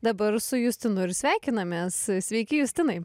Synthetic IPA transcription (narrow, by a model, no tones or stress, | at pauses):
d̪ɐbɐɾsʊjʊsʲt̪ʲɪnʊɪɾsʲʋʲæˑɪkʲɪnɐmʲeːssʲʋʲɛɪkʲɪjʊsʲt̪ʲɪnɐɪ